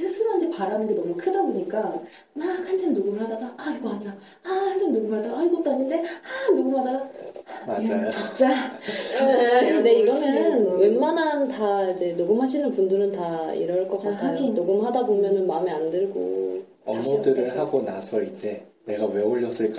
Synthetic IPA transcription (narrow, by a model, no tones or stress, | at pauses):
sʰesʰɯɾoɦantʰe̞paɾanɯnɡe̞nʌmukʰɯdaboɲik͈amakhant͡ɕʰamnoɡɯmɯɭhadaɡaaiɡʌaɲiɡa | ahant͡ɕʰamnoɡɯmadaaiɡʌt͈oaɲːɯnde̞anoɡɯmhadaɡamad͡ʑajt͡ɕat͡ɕ͈at͡ɕade̞iɡʌnenɯnwe̞nmanantaid͡ʑe̞noɡɯmɦaɕʰinɯnpundɯɾɯntaḭɾʌɭk͈ʌk͈atʰajonoɡɯmɦadabomjʌnɯnmameandɯɭɡo̰ | ʌmʌtɯɾɯɭhaɡonasʰʌid͡ʑe̞ | ne̞ɡaweoʎːʌs͈ɯɭk͈a